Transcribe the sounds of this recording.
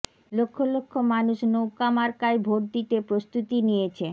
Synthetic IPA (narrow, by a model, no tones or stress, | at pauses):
lokʰːolokʰːomanuʃnowkamaɾkaebʱoʈ̚d̪it̪epɾost̪ut̪inijet͡ɕʰe